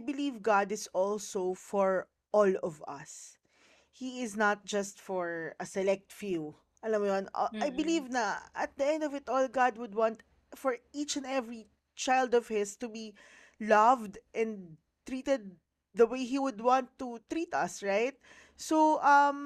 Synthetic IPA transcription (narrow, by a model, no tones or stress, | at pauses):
ajbɪlivɡad̪ɪzɔlsofɔɹ | ʔɔlɔvɐ̰s | hiɪznat̪̚d͡ʒɐst̪fɔɹɐsɛlɛk̚t̪fil | ʔɐlɐmjon̰ajbɪlivnɐʔɐt̪̚d̪əɛ̃nd̪ɔvɪt̪ʔɔlɡɑd̪̚wʊd̪̚wɑ̃nt̪ | fɔɹit͡ʃɛ̃nd̪ɛvɹi | t͡ʃajld̪ɔvhɪst̪ubi | lʌvd̪ʔɛ̃nd | t̪ɹit̪ɛd̪̚ | d̪ɐwejɦiwʊd̪wɑ̃nt̪ːut̪ɹit̪ɐsɹaɪt̪̚ | soʔɐm